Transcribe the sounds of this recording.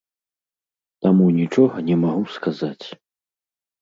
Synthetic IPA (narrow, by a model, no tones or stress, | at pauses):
t̪amunʲit͡ʂɔɣɐnʲɛmaɣuskazat͡sʲ